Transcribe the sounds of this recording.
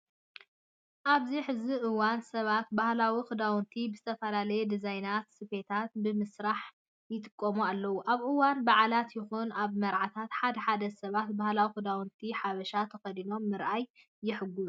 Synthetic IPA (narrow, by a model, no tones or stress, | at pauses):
ʔaβziħɨziʔɨwansɐβat̪̚bahlawixɨd̪awnt̪ʰibɨzɨt̪ʰɐfɐlalɐjed̪izajnat̪sɨfe̞t̪ʰat̪̚bɨmɨsɾaħ | jɪt̪ʼɨ̥kʼːɐmualːɐwuʔaβʔɨwanbaʕalat̪jɪxunaβmɐɾʕat̪ʰat̪ħad̪ɐħad̪ɐsɐβat̪̚bahlawixɨd̪awnt̪ʰiħaβɐʃat̪ʰɐxɐd̪ino̞mːɨɾʔajː | ɪħɨɡu